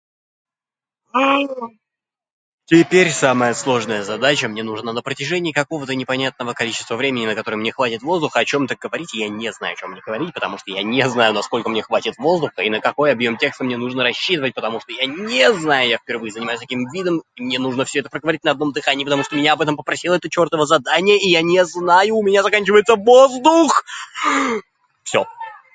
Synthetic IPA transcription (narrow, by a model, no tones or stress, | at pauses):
tʲɪpʲeɾʲsaməjəslˠo̞ʐnəjəzɐd̪at͡ɕəmnʲenuʐnanəpɾətʲɪʐɛnʲɪːkɐko̞vət̪ənʲɪpɐnʲat̪̚nəvəkɐlʲit͡ɕɪst̪vəvɾʲemʲɪnʲɪnəkɐt̪o̞ɾəjmnʲe̞xvatʲɪt̪vo̞zd̪ʊxəɐt͡ɕo̞mt̪əɡəvɐɾʲitʲɪjanʲezna̰jʊɐt͡ɕʲo̞mːnʲeɡ̥əvɐɾʲitʲpət̪ɐmuʂt̪ojanʲeznajʊnɐsko̞lʲkəmnʲexvatʲɪt̪vo̞zd̪ʊxəinəkɐko̞jɐbjo̞mtʲe̞kst̪əmnʲenuʐnəɾɐɕːit̪ɨvət̚ʲpət̪ɐmuʂt̪ojanʲeznajʊjafʲpʲɪrvɨjɪzənʲɪmajʊsʲt̪ɐkʲimvʲid̪əmmnʲe̞nuʐnəfsʲoɛt̪əpɾəɡəvɐɾʲitʲnɐd̪no̞md̪ɨxanʲɪjipət̪ɐmuʂt̪omʲɪnʲaɐbɛt̪əmpəpɾɐsʲilˠəɛt̪ət͡ɕo̞rt̪əvəzɐd̪anʲɪjəʔijanʲeznajʊːmʲɪnʲazɐkanʲt͡ɕɪvəjɪt̪səvozd̪ʊx | fsʲo